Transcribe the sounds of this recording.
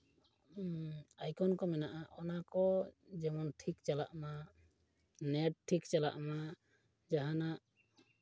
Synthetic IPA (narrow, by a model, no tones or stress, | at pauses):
ajkɔnkɔmɛnaʔaʔɔnakɔd͡ʒɛmɔnʈʰikt͡ʃala̰ʔma | nɛʈ̚ʈʰːikt͡ʃala̰ʔma | d͡ʒaɦanaʔ